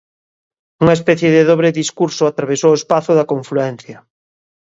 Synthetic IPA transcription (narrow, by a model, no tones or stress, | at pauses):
uŋɐespɛθjeðɪðoβɾeðiskuɾsʊat̪ɾaβesowespaθʊðɐkoɱfluɛn̟θjɐ